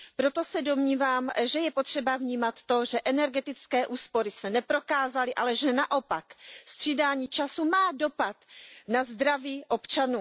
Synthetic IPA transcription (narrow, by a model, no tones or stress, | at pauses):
pɾo̞t̪osɛdo̞mɲiːvaːmʒɛjɛpo̞t̪r̥ɛbavɲiːmat̪ːo̞ʒɛʔɛnɛɾɡɛt̪ɪt͡skɛːʔuːspo̞ɾɪsɛnɛpɾo̞kaːzalɪʔalɛʒɛnaʔo̞pakst̪r̝̥idaːɲiːt͡ʃasumaːdo̞pat̪nazd̪ɾaviːʔo̞pt͡ʃanuː